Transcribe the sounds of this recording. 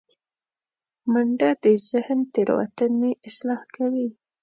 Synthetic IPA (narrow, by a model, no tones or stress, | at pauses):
maɳɖad̪əzɪhnt̪eɾ̰wa̰t̪əneɪslɑhkawi